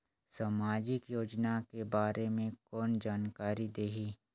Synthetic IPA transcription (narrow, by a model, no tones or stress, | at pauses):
saːmaːd͡ʒɪkjoːd͡ʒnakebaːɾʔemẽkɔːnd͡ʒaːnkaːɾid̪eːɦiː